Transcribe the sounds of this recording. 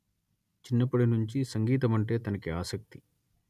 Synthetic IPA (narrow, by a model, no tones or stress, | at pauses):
t͡ʃinːɐpɐɽinuɲt͡ʃisɐŋɡiːt̪ɐmɐɳʈe̞ːt̪ɐnɐkiaːsɐk̚t̪i̥